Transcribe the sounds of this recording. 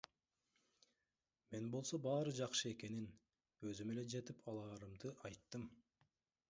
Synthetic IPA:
me̞nbo̞lˠso̞bɑːɾɯd͡ʒɑqʃɯe̞ke̞nin | ø̞zyme̞le̞d͡ʒe̞t̪ipʰɑlˠɑːɾɯmd̪ɯʔɑjt̪ːɯm

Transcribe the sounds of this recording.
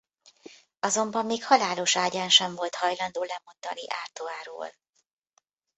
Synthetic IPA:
ɒzo̞mbɒmːeːkhɒlaːlo̞ʃaːɟaːnʃɛɱvo̞lt̪hɒjlɒnd̪oːlɛmo̞nd̪ɒ̰niʔaːrt̪oaːɾo̰ːl

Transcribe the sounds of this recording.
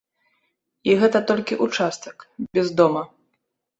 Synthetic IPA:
iɣɛt̪ɐt̪ɔlʲkʲiʔut͡ʂast̪ɐ̥kbʲɛzd̪ɔmɐ

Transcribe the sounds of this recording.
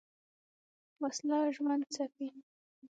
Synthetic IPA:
waslɑʒwand̪̚t͡safi

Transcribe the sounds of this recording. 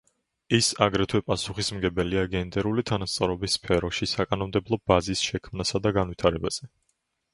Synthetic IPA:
isaɡɾɛt̪ʰwɛpʼasuχismɡɛbɛliaɡɛnd̪ɛɾulit̪ʰanast̪sʼɔɾɔbisːpʰɛɾɔʃisakʼanɔmd̪ɛblˠɔb̥azisʃɛkʰmnasad̪aɡanvwit̪ʰaɾɛbaz̥ɛ

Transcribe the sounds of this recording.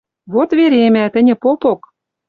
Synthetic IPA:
βot̪βeɾʲemæt̪ɘ̆nʲɘ̆popok

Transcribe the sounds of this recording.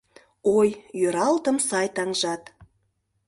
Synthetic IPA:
ojjøɾɑlt̪əmsɑjt̪ɑŋʒɑt̪

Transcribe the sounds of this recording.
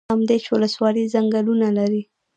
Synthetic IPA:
amd̪et͡ʃwʊləswɑlizaŋɡalunalaɾi

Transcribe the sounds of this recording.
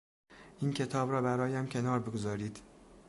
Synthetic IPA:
ʔiːncʰe̞t̪ʰɒːbɾɒːbæɾɒːjæmcʰe̞nɒːɾbeɡozɒːɾiːd̪̥

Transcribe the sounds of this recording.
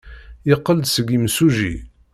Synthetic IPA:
jɪqːəld̪səɡimsuʒḭ

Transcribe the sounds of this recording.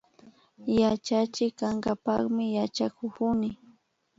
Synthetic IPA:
jat͡ʃat͡ʃɪkːaŋɡapaχmɪjat͡ʃakʊkʊnɪ

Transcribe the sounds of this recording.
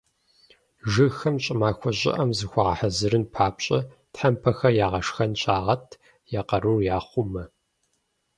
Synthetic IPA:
ʒɨxɐmt͡ʃʼɪmaːxʷɔɕʼɪ̰ʔɐmzɨxʷɔʁɐ̰ħɐzɨɾɨnpʰaːpɕʼɐ | tħampʰɐxɐjaːʁɐʂxɐnɕʰʼaːʁɐtʰ | jaqɐɾurjaːχʷʊmɐ

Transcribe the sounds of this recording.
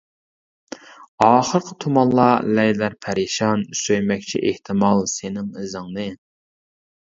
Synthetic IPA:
ɑːχəɾqʰət̪ʰumɑnlˠɑlɛjlæɾpʰæɾɪʃɑnsøjmɛkʲt͡ʃʰḭʔeht̪ʰɪmɑlˠsenɪŋɪzɨŋnɨ

